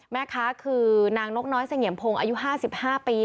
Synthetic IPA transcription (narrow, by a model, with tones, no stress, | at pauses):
mɛː˦˥kʰaː˦˥kʰɯː˧naː˧ŋno˦˥k̚nɔː˦˥jsa˧ŋi˨˩˦mpʰoː˧ŋʔa̰ː˧ju˦˥ɦaː˥˩si˨˩p̚haː˥˩piː˧